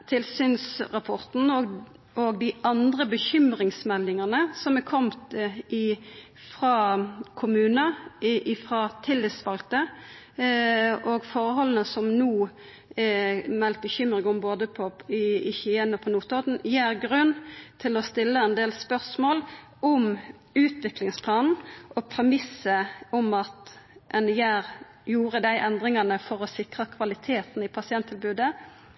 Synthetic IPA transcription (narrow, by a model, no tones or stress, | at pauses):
t̪ʰɪlsyːnsʁɑpʰɔʁt̪n̩ɔ | oɡd̪ɪʔɑnd̪ʁəbəçʏmɾɪŋsmɛlːɪŋɑnəsɔmɛkʰɔmt̪ɪ | fʁɑːkʰʊmʉːnəʔɪfʁɑːt̪ʰɪlːɪt̪sʋɑlt̪ə | ɔɡfɔɾəhɔlən̩əsɔmnuː | mɛlt̪̚bəçʏmʁɪŋɔmboːd̪əpʰɔɪɪçəɛnɔpʰɔnuːt̪ɔd̪n̩jeːʁɡʁʉnːt̪ʰɪlɔst̪ɪlːəɛnd̪eːlspœʁsmoːl | ɔm | ʉːt̪ʋɪklɪŋspʰlɑːnn̩ʔɔpʰɾɛmɪsːəɔmɑt̪ɛnjæːɾ | juːʁəd̪æɪʔɛnd̪ʁɪŋɑnəfɔʁɔsɪkʁɑkʰʋɑlɪt̪ʰeːt̪n̩ɪpʰɑsɪɛnt̪ʰːɪlbʉːd̪ə